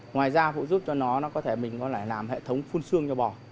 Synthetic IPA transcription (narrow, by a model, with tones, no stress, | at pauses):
ŋwaː˨˩jzaː˧fṵ˧˨zu˦˥p̚t͡ɕɔ˧nɔ˨˦nɔ˨˦kɔ˨˦t̪ʰe˧˩mï˨˩ŋ̟kɔ˨˦laː˧˩laː˨˩mhḛ˧˨t̪ʰə˨˦wŋ͡mfu˧nsɨ˧əŋt͡ɕɔ˧ɓɔ˨˩